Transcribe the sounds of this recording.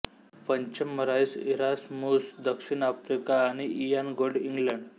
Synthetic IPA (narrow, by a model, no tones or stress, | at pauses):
pəɲt͡ɕəmːəɾajsiɾasmusd̪əkʂiɳafɾikaːɽ̃iʔijanɡoɖiŋɡləɳɖ